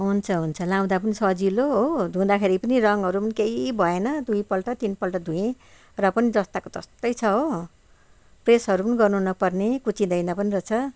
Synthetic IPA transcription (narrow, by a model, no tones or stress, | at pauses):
ɦunt͡sʰʌɦunt͡sʰʌlaw̃d̪apʌnisʌd͡ziloɦod̪ʱũd̪akʰeɾipʌnirʌŋɦʌɾupʌnikeibʱʌenʌd̪uj̃pʌlʈʌt̪inpʌlʈʌd̪ʱũjẽ | rʌpʌnid͡zʌst̪akot̪ʌst̪ʌjt͡sʰʌɦo | presɦʌɾupʌniɡʌrnunʌpʌrnekut͡sĩd̪ʌjnʌpʌniɾʌt͡sʰʌ